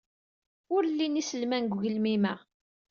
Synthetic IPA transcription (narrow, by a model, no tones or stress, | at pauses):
ʊɾlːinisəlmænɡʷʝəlmimæ